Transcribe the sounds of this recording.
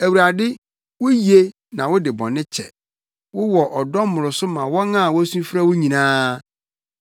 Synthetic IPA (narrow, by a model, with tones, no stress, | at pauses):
æ˨wu˨ɾa˨dɪ˦ | wʊ˦ji˨e˦ | nã˨wʊ˦dɪ˨bɔ̰̃˨nːɪ̃˦t͡ɕʰɛ̰˨ | wʊ˦wɔ˨ʔɔ˨dɔ˦m˦mʊ̃˨ɾʊ˨sʊ˦mã˨wɔ̃˦nã˦˨wɔ˦æ˦sũ˦fi˦ɾa˦wʊ˦ɲĩ˨nãː˦